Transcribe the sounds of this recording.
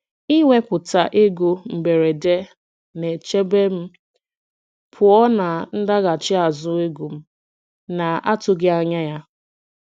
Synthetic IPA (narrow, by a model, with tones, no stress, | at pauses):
i˦wʷe˦pʊ˨ta˨ʔe˦ɡu˦m̩˨be˨ɾe˨de˦ | ne˨t͡ʃe˦be˦m̩˦ | pʰʊ˨ɔ˦na˨n̩˦da˦ɣa˨t͡ʃɪ˦a˨zʊ˦e˦ɡu˨m̩˦ | na˨a˦tʊ˨ɡɪ˦a˨ɲa˦ja˦